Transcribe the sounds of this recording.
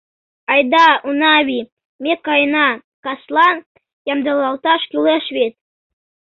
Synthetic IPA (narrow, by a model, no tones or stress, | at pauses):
ɑjd̪ɑunɑβʲi | mekːɑjnɑ | kɑslˠɑn | jɑmd̪ɑlˠɑlˠt̪ɑʃkʲylʲeʃβet̪̚